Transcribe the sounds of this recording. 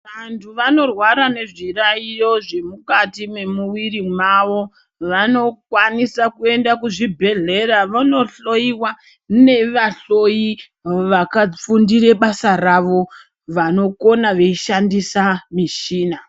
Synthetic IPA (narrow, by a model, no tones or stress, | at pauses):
ʋantʰuʋano̞rwaɾane̞ʐiraijo̞ʐe̞mukatime̞muwirimaʋo̞ | ʋano̞kwanisakue̞ndakuʐibʱe̞ɮe̞raʋano̞ɬo̞iwa | ne̞ʋaɬo̞ji | ʋakap͡fundiɾe̞ɓasaraʋo̞ | ʋano̞ko̞naʋe̞iʃandisamiʃiːna